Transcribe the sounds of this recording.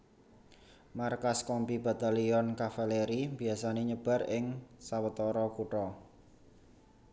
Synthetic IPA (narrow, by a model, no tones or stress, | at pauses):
markaskɔmpib̥a̤t̪aliɔnkafaleɾimbi̤asaneɲəb̥a̤rɪŋsawət̪ɔɾɔkuʈɔ